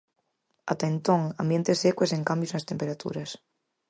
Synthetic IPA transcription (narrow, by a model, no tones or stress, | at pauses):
at̪aent̪õŋambjent̪esekweseŋkambjusnast̪empeɾat̪ṵɾas